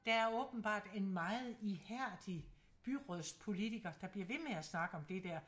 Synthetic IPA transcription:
d̥ɑæɐɔ̽ːb̥n̩b̥ɑ̰̈ːd̥e̝nmɑ̈ːð̩ˠihæɐ̰d̥i | b̥yʁɔðˠspʰo̝lit͡sʰiɡ̥ɐd̥ɑ̈b̥liɐʋe̝meæsnɑ̈ɡ̥əɒ̽md̥e̝d̥æɐ̰

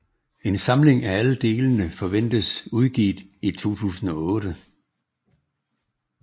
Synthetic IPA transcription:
e̝nsɑ̈mle̝ŋææləd̥e̝ːlənəfɒ̽ʋen̰d̥əsuðˠɡ̥ḭːd̥it͡sʰo̝̰ːt͡sʰṵːsn̩ɒ̽ɔ̽ːɾ̥ə

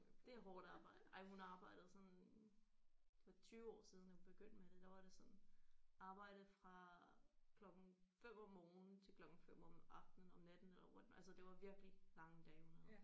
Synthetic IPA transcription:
d̥e̝æɦɒ̰ːd̥ɑ̈ːb̥ɑ̈ɪ̰d̥ɑɪ̰hunɑ̈ːb̥ɑ̈ɪ̰d̥ð̩ˠsɒ̽n | fɒt͡sʰyːʊɒ̰ːsiːðˠndæhub̥e̝ɡ̥øn̰d̥med̥e̝d̥ɑʋɑ̈ɾ̥e̝sɒ̽nʔɑ̈ːb̥ɑ̈ɪ̰ɾ̥ð̩ˠfʁɑ̈ | kʰlɒ̽ɡ̥ŋ̩fem̰ɒ̽mːɔːnn̩t͡sʰe̝lkʰlɒ̽ɡ̥ŋ̩fem̰ɒmɑ̈fd̥n̩ɒ̽mnæd̥n̩elɐʋɒd̥nælsəd̥e̝ʋɑ̈ʋiɐɡ̥lilɑ̈ŋəd̥ɛːhunhæð̩ˠ

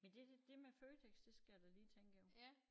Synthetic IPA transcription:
mend̥e̝̥d̥e̝meføːt͡sʰeɡ̥sd̥e̝sɡ̥æjæd̥ɑliːt͡sʰeŋɡ̥əjo

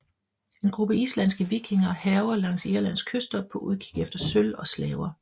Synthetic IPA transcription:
e̝nɡ̥ʁub̥əislænsɡ̥əʋiɡ̥ʰe̝ŋɐhɛːʊɐlɑ̈ŋ̰siɐlæn̰skʰøsd̥ɐpʰɒ̽ʔuð̞ˠkʰi̥ɡ̥efd̥ɐsølɒ̽slɛːʊɐ

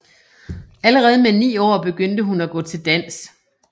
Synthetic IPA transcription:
æləʁɛːð̞̩ˠmenḭːɒ̰ːb̥e̝ɡ̥øn̰d̥əɦunæɡ̥ɔ̰̽ːt͡sʰe̝ld̥æn̰s

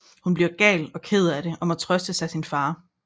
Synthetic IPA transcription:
hunb̥liɐɡ̥ɛ̰ːlɒ̽kʰeð̞ˠæɾe̝ʔɒ̽mæt͡sʰʁœsd̥əsɑ̈ɪsinfɑ̈ː

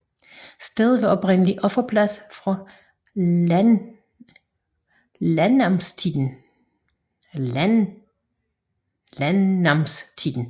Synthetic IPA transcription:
sd̥eð̞ˠʋeɒ̽pʁen̰əliʔɒ̽fɐpʰlæsfʁɑ | lænɑmst͡sʰid̥ˠn̩ | n | lænɑmst͡sʰid̥ˠn̩

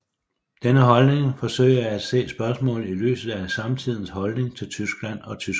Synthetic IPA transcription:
d̥enəɦɒ̽lne̝ŋfɒ̽sø̰ɪɐæd̥se̝̰ːsb̥ɶɐsmɔ̰̽ːl̩ˠily̰ːsð̩ˠæsɑ̈mt͡sʰið̞̰ˠn̩shɒ̽lne̝ŋt͡sʰe̝lt͡sʰysɡ̥læn̰ɒ̽t͡sʰysɡ̥

